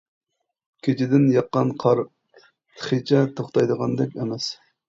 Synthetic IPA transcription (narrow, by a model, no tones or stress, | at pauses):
kʲʰet͡ʃʰɪd̪ɪnjɑqːɑnqʰɑɾ | t̪ʰχit͡ʃʰɛt̪ʰoχt̪ɑjd̪əʁɑnd̪ɛkʲemɛs